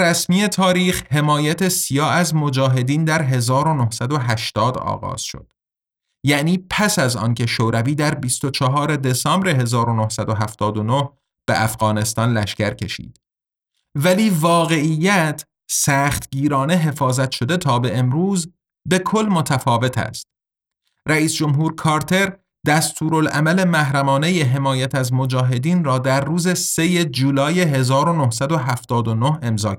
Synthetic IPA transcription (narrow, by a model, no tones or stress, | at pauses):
ɾæsmiːe̞t̪ʰɒːɾiːxhe̞mɒːjæt̪ʰesijɒːæzmo̞d͡ʒɒːɦe̞d̪iːnd̪æɾɦe̞zɒːɾonohsæd̪oɦæʃt̪ɒːd̪ɒ̰ːɣɒ̰ːz̥ʃo̰d̪̥ | jæʔniːpʰæsæzɒ̰ːncʰe̞ʃoːɾæviːd̪æɾbist̪o̞t͡ʃʰɒɦɒːɾe̞d̪e̞sɑmbɾe̞ɦe̞zɒːɾonohsæd̪oɦæft̪ɒːd̪ono̞h | b̥ḛʔæfɣɒːne̞st̪ɒːnlæʃcæɾcʰe̞ʃḭːd̪̥ | væliːvɒːɣe̞ʔijːæt̪ʰ | sæːχt̪ɟiːɾɒːneɦe̞fɒːzæt̪ʃo̞d̪e̞t̪ʰɒːbe̞emɾuːz | be̞kʰo̞lːmo̞t̪ʰæfɒːve̞t̪ʰæ̰st̪̚ | ræiːsd͡ʒo̞mɦuːɾkʰɒːɾt̪ʰe̞ɾ | d̪æst̪ʰuːɾolæmæle̞mæɦɾæmɒːne̞jeɦe̞mɒːjæt̪ʰæzmo̞d͡ʒɒːɦe̞d̪iːnrɒːd̪æɾːuːze̞seje̞d͡ʒuːlɒːjeɦe̞zɒːɾonohsæd̪oɦæft̪ɒːd̪onohe̞mzɒː